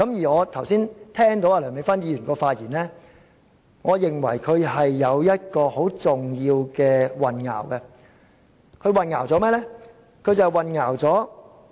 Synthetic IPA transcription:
kɐ˨˥mjiː˨˩ŋɔː˨˧t̪ʰɐ˨˩wsiː˥nt̪ʰɛː˥ŋt̪̬o˨˥waː˧lœː˨˩ŋmɪ˨˥ŋfɐ˥njiː˧ɥyː˨˩nkɔː˧faː˧t̚jiː˨˩nlɛː˥ | ŋɔː˨˧jɪ˨˩ŋwɐ̰˨˩jkʰɵ˨˧ɥɦɐ˨jːɐ˨˧wjɐ˥t̚kɔː˧ho˨˥wt͡sʊ˨ŋjiː˧wkɛː˧wɐ˨nŋa̰ː˨˩wkɛ˧ | kʰɵ˨˧ɥwɐ˨nŋaː˨˩wt͡sɔː˨˥mɛː˥lɛ˥ | kʰɵ˧ɥt͡sɐ˨˩wwɐ˨nŋaː˨˩wt͡sɔː˨˥

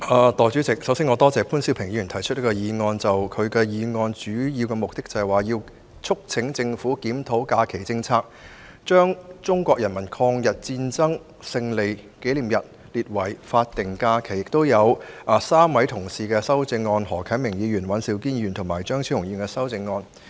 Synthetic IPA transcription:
ʔaː˨t̪ɔː˨jt͡ʃy˨˥t͡sɪ˨k̚sɐ˨˥wsiː˥ŋɔː˨˧t̪ɔː˥t͡sɛː˨˧pʰuː˥nsiː˥wpʰɪ˨˩ŋjiː˨˧˥y˨˩nt̪ʰjt͡ʃʰɵ˥t̚lkɔː˧jiː˨˧ŋɔː˧nt͡sɐ˨wkʰɵ˨˧ɥkɛ˧jiː˨˧ŋɔː˧nt͡ʃyː˨˥jiː˧wkɛ˧mʊ˨k̚t̪ɪ˥k̚t͡sɐ˨ɛ˨waː˨˩jiː˧w | t͡sʰʊ˥k̚t͡sʰɪ˨˧˥ŋt͡sɪ˧ŋfuː˨˥kiː˨˥mt̪ʰo˨˥wkaː˧kʰe˨˩jt͡sɪ˧ŋt͡sʰaː˥k̚ | t͡ʃœː˥ŋt͡sʊ˥ŋkʷɔː˧k̚jɐ˨˩nmɐ˨˩nkʰɔː˧ŋjɐ˨˩t̚t͡siː˧nt͡sɐ˥ŋ | sɪ˧ŋle˨jke˨˥jliː˨˩mjɐ˨t̚ | liː˨t̚wɐ˨˩jfaː˧t̚t̪ɪ˨ŋkaː˧kʰe˨˩jɪ˨k̚t̪o˥wjɐ˨˧wʔaː˨˩saː˥mwɐ˨˥jt̪ʰʊ˨˩ŋsiː˨kɛː˧sɐ˥wt͡sɪ˧ŋːɔː˧nhɔː˨˩kʰɐ˨˥nmɪ˨˩ŋjiː˨˧jyː˨˩nwɐ˨˥nsiː˧wkiː˥nː˧yː˨nt̪ʰʊ˨˩ŋmaː˨˩jt͡ʃœː˥ŋt͡sʰi˨˥hʊ˨˩ŋjiː˨˧nkɛː˧sɐ˥wt͡sɪ˧ŋːɔː˧n

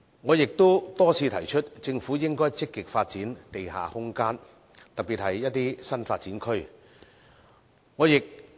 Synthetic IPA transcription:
ŋɔː˨˧jɪ˨k̚t̪o˥wt̪ɔː˥t͡sʰiː˨˧t̪ʰɐ˨˩jt͡ʃʰɵ˥t̚t͡sɪ˧ŋfuː˨˥jɪ˥ŋkɔː˥jt͡sɪ˥kːɪ˨k̚faː˧t̚t͡siː˨˥nt̪e˨jɦa̰ː˨˩hʊ˥ŋkaː˥n | t̪ɐ˨k̚piː˨˩t̚hɐ˨jːɐ˥t̚t̪ːiː˥sɐ˥nfaː˧t̚t͡siː˨˥nkʰɵ˥ɥ | ŋɔː˨˧jɪ˨k̚

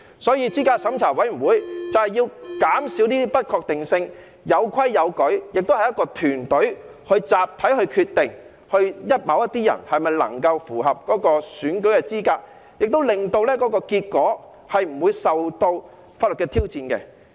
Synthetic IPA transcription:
sɔː˨˥jiː˧t͡siː˥kaː˧k̚sɐ˨˥mt͡sʰaː˨˩wɐ˨˥jm̩˨˩wuː˨˥jt͡sɐ˨whɐ˨jiː˧wkaː˨˥msiː˨˥wt̪iː˥pɐ˥t̚kʰɔː˧k̚t̪ɪ˨ŋsɪ˧ŋ | jɐ˨˧wkʰɐ˥jːɐ˨˧wkɵ˨˥ɥjɪ˨k̚t̪o˥whɐ˨jɐ˥kɔː˧t̪ʰyː˨˩nt̪ɵ˨˥ɥ | hɵ˧ɥt͡saː˨p̚t̪ʰɐ˨˥jɦɵ˧kʰyː˧t̪ɪ˨ŋ | hɵ˧ɥjɐ˥t̚mɐ˨˥wjɐ˥t̪iː˥jɐ̰˨˩nhɐ˨jmɐ˨jlɐ̰˨˩ŋkɐ˧wfuː˨˩ɦɐ˨p̚kɔː˨˥kɔː˧syː˨˥nkɵ˨˥ɥkɛː˧t͡siː˥kaː˧k̚ | jɪ˨k̚t̪o˥wlɪ˨ŋt̪o˧wlɛː˥kɔː˨˥kɔː˧kiː˧t̚kɔː˨˥ | hɐ˨jm̩˨˩wuː˨˧jsɐ˨wt̪o˧w | faː˧tlɵ˨t̚kɛ˧t̪ʰiː˥wt͡siː˧nkɛ̰˧

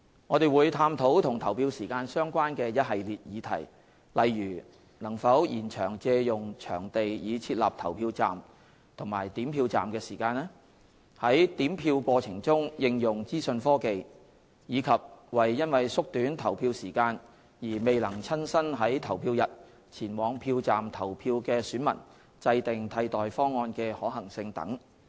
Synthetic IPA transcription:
ŋɔː˨˧d̪e˨jwuː˨˧jt̪ʰaː˧mt̪ʰo˨˥wt̪ʰʊ˨˩ŋt̪ʰɐ˨˩wpiː˧wsiː˨˩kaː˧nsœː˥ŋkʷaː˥nkɛː˧jɐ˥t̚ɦɐ˨jliː˨t̚jiː˨˧t̪ʰɐ̰˨˩j | lɐ˨jːyː˨˩ | nɐ˨˩ŋfɐ˨˥wjiː˨˩nt͡ʃʰœː˨˩ŋt͡sɛː˧jʊ˨ŋt͡ʃʰœ̰ː˨˩ŋt̪e˨jjiː˨˧t͡sʰiː˧t̚la̰ː˨˩p̚t̪ʰɐ˨˩wpʰiː˧wt͡sa̰ː˨˩m | t̪ʰʊ˨˩ŋmaː˨˩jt̪iː˨˥mpʰiː˧wt͡sa̰ː˨mkɛː˧siː˨˩kaː˧nɛ˥ | hɐ˨˥jt̪iː˨˥mpʰiː˧wkʷɔː˧t͡sʰɪ˨˩ŋt͡sʊ˥ŋjɪ˧ŋjʊ˨ŋt͡siː˥sɵ˧nfɔː˥ke˨j | jiː˨˧kʰɐ˨p̚wɐ˨jːɐ˥nwɐ˨jsʊ˥k̚t̪yː˨˥nt̪ʰɐ˨˩wpʰiː˧wsiː˨˩kaː˧n | jiː˨˩me˨jlɐ˨˩ŋt͡sʰɐ˥nsɐ˥nɦɐ˨˥jt̪ʰɐ˨˩wpʰiː˧wjɐ˨t̚ | t͡sʰiː˨˩nwɔː˨˧ŋpʰiː˧wt͡saː˨mt̪ʰɐ˨˩wpʰiː˧wkɛː˧syː˨˥nmɐ̰˨˩n | t͡sɐ˧jt̪ɪ˨ŋt̪ʰɐ˧jt̪ɔː˨jfɔː˥ŋːɔː˧nkɛː˧hɔː˨˥ɦɐ˨˩ŋsɪ˧ŋt̪ɐ̰˨˥ŋ

